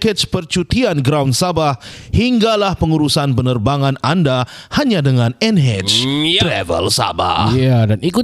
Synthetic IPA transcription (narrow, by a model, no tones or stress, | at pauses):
kət͡ʃpərt͡ʃut̪ianɡɾawnsabahhiŋɡalahpəŋuɾusanpənərbaŋananda | haɲadəŋanɛnɦɛt͡ʃt̪ɾɛvə̰lsa̰ba̰adaniku